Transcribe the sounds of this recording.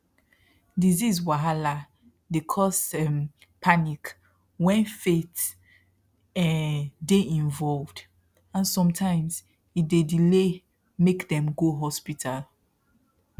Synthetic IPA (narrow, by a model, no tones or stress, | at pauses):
dizizwaɦala | dekʰɔsɛm | pʰanik | wɛ̃nfet | ɛdeʔĩnvɔlvd | ãnsɔ̃mtʰãɪ̃mz | idedile | mekðɛ̃mɡoɦɔspitʰal